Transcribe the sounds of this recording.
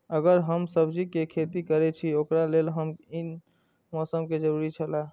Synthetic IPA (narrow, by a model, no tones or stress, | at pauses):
əɡəɾɦəmsəbd͡ʒikekʰet̪ikəɾɛt͡ʃʰiokɾalelɦəmin | mɔsəmked͡ʒəɾuɾit͡ʃʰəla